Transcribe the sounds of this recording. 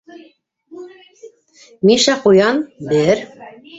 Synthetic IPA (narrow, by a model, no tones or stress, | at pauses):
miʃæqujɑnbɘɾ